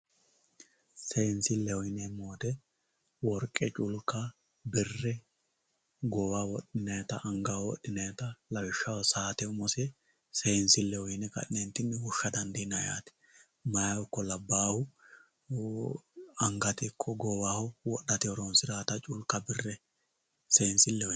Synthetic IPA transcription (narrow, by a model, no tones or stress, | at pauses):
sɛjɪnsɪlːɛhɔjɪnɛmoːt̪ɛ | wɔɾkʼːɛt͡ʃʼʊlkːɐ | bɪrːɛ | ɡɔwawɔɗɪnɐjt̪ɐʔɐŋɡawɔ̰ɗːɪnɐjt̪ɐlɐwɪʃːɐwɔsaːt̪ɛʊmɔsɛ | sejnsɪlːɛhɔjɪnɛkɐ̰ʔɪnɛnt̪ːɪnːwʊʃːɐd̪ɐnd̪inɐja̰ːt̪ɛ̥ | mɐjɐwɔkːɔlɐbːaːhʊ | ɐŋɡɐt̪ɪkʰːɔɡɔwahɔwɔɗːɐt̪ɪɔɾɔnsɪɾaːt̪ɐt͡ʃʼʊlkːɐbɪrːɛ | seːnsɪlːɛhɔ